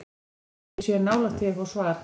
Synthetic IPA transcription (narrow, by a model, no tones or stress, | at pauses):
sjɛɾnaːwlat̪ʰɪɣɔsvaːɾ